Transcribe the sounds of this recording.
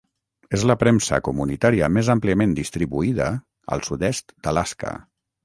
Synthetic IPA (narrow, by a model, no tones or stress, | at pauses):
ezləpɾɛmsə̰kumunit̪aɾiəmezampliəmend̪ist̪ɾiβuiðə | ə̰lˠsuðɛst̪d̪̥əlaskə̰